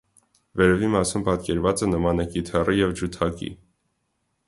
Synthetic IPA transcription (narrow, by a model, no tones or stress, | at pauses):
vɛɾɛvimɑsumpɑt̪kɛɾvɑt͡sɛnəmɑnəkit̪ʰɛrijɛvd͡ʒut̪ʰɑkḭ